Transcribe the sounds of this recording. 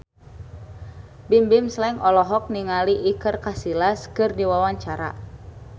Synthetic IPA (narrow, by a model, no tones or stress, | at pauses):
bimbimslɛŋɔlɔɦɔk̚niŋaliʔikərkasilaskɨrdiwawaɲt͡ʃaɾa̰